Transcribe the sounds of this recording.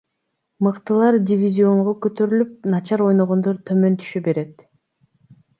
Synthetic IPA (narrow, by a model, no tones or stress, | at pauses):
mɯqt̪ɯlˠɑɾdʲɪvʲizʲio̞ɴʁokøt̪ø̞ɾylyp̚nɑt͡ʃɑɾo̞jno̞ʁo̞nd̪oɾt̪ʰømø̞nt̪ʰy̥ʃøbe̞ɾe̞t̪